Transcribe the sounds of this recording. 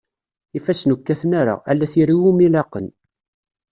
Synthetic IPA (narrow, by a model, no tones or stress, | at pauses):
ifæsnukːæθnaɾa̰ælːæθiɾiwumilɑqən